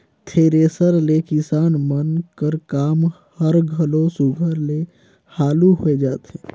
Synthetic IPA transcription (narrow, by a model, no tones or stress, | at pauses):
t̪ʰeːɾeːsəɾlekɪsaːnmənkəɾkaːm | həɾɡʱəlosuɡʱəɾle | haːluɦoed͡ʒaːt̪ɦɛ̃ː